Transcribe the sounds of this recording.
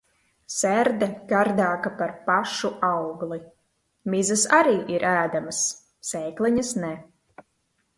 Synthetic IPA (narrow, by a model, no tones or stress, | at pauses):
sæɾd̪ɛkaɾd̪aːkapaɾpaʃuʔawɡlˠi | mizasaɾiːʔiɾʔæːd̪amasː | ɛːklˠiɲɐsnɛ